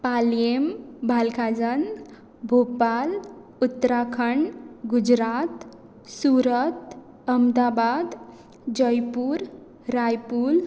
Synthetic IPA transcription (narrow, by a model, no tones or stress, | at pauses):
paljembʱalkʰad͡zən | bʱopal | ut̪ːɾakʰəɳɡud͡ʑɾat̪ | suɾət̪ | əmd̪abad̪ | d͡ʑəjpuɾ | ɾajpuːl